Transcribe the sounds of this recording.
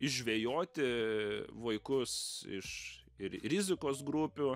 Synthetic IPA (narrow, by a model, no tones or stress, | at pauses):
ɪʒʲʋʲejoːt̪ʲɪ | ʋɐɪkʊsɪ̰ʃɪɾrʲɪzʲɪkoːsɡɾupʲʊ